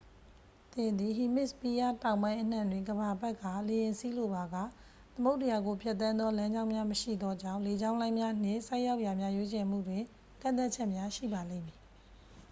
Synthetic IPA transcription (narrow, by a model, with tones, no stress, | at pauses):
t̪ɪ̃˨nd̪i˨ɦi˨mɪ˦ʔspi˦ja˦˨tã˨ʊ̃mbã˦ɪ̃ʔən̥ã˨ndwɪ̃˨ŋɡəba˨bɛ˦ʔkːa˨le˨jɪ̃˨nsi˦lo˦˨ba˨ɡa̰˦˨ | t̪əmo˦ʊtːə˨ja˨ɡo˨pʰjɛ˦t̪ːã˦nd̪ɔ˦lã˦ɲd͡ʑã˦ʊ̃mja˦məʃḭ˦˨d̪ɔ˦d͡ʑã˦˨ʊ̃le˨d͡ʑã˦ʊ̃lã˦ɪ̃mja˦n̥ɪ̰̃˦˨sa˦ɪʔja˦ʊʔja˨mja˦jwe˦t͡ɕɛ˨m̥ṵ˦˨dwɪ̃˨ | kã̰˦˨nt̪a˦t̚t͡ɕʰɛ˦ʔmja˦ʃḭ˦˨ba˨lḛ̃˦˨mji˨